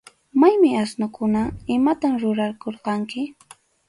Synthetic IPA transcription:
majmɪasnʊkʊnaɪmat̪amɾʊɾaɾkoɾqɑŋkɪ

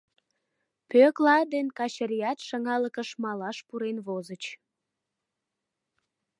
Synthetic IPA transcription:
pøklɑd̪enkɑt͡ɕəɾijɑt̪ʃɑŋɑləkəʃmɑlɑʃpuɾenβozət͡ɕ

